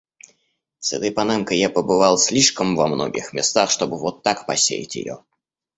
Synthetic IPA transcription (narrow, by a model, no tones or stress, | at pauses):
sɛt̪əjpɐnamkəjjapəbɨvɑlˠsʲlʲiʂkəmvɐmno̰ɡʲɪ̰xmʲɪst̪axʂt̪o̞bɨvot̪ːakpɐ̰sʲḛjɪ̰tʲɪ̰jo̰